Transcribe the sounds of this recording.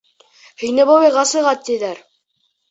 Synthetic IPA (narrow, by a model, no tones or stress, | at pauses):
hɵ̆jnɘβoβɤjʁɑsɤ̆ʁɑt̪ːiðæɾ